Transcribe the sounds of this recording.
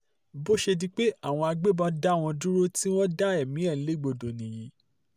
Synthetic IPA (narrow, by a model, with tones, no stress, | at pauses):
bo˦ʃe˧di˦k͡pe˦a˦˨w̃ɔ̃˧a˧ɡ͡be˦bɔ̃˧da˦˨w̃ɔ̃˧du˦ɾo˦ti˦w̃ɔ̃˦da˦ɛ˦˨mĩ˨˦ɛ˦˨˦le˦˨ɡ͡bo˧do˨nĩ˨ji˨˦